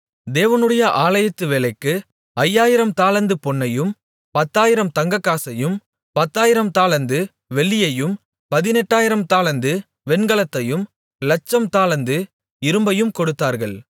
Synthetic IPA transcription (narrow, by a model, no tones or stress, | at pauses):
d̪eːʋɐnɯɽɐjɐʔaːlɐjɐt̪ːɯʋeːlɐɪkːɯ | ʔɐjːaːjɪɾɐmt̪aːlɐnd̪ɯpɔɳːɐjɯm | pɐt̪ːaːjɪɾɐmt̪ɐŋɡɐkːaːsɐjɯm | pɐt̪ːaːjɪɾɐmt̪aːɭɐnd̪ɯ | ʋɛɭːɪjɐjɯm | pɐðɪnɛʈːaːjɪɾɐmt̪aːɭɐnd̪ɯ | ʋɛɳɡɐɭɐt̪ːɐjɯm | lɐt͡ʃːɐmt̪aːlɐnd̪ɯ | ɪɾɯmbɐjɯmkɔɽɯt̪ːaːɾɣɐɭ